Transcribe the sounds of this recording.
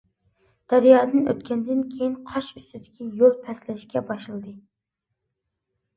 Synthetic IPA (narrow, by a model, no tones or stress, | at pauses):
d̪̥æɾjɑːd̪ɨnø̰t̪̚kʲʰɛnd̪ɪnkʲʰejinqʰɑʃyst̪ɪd̪ɪkʲʰijolˠpʰɛslɛʃkʲɛbɑʃɨlˠɨd̪ɨ